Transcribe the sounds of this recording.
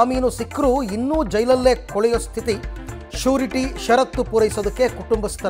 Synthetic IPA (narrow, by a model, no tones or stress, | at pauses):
miːnusikɾuinːuːd͡ʒɐjlɐlːe̞ːkɔɭɛjost̪ʰit̪i | ʃuːɾiʈiʃɐɾɐt̪ːupuɾɐjisod̪ɐkːe̞kuʈumbist̪ːɐ